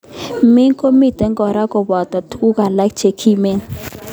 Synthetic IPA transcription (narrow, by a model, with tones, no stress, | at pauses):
mi˦ŋkʰo˦mi˦˨tɛ˨˦ŋɡɔ˨ɾa˦kɔ˨ba˨t̪a˨tʰu˦ka˨la˨˦k̚t͡ʃe˨kʰi˦˨me˦ŋ